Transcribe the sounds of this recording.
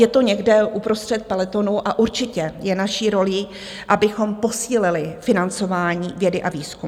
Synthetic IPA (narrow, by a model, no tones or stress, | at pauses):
jɛt̪o̞ɲɛɡdɛʔupɾo̞st̪r̝̥ɛt̪̚pɛlɛt̪o̞nuʔaʔuɾt͡ʃɪcɛjɛnaʃiɾo̞liː | ʔabɪxo̞mpo̞siːlɪlɪfɪnant͡so̞vaːɲiːvjɛdɪʔaviːskum